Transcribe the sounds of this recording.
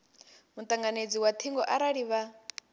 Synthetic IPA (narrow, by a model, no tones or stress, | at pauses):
mut̪ʼaŋɡaned͡ziwat̪ʰiŋɡɔʔaɾaɺiβa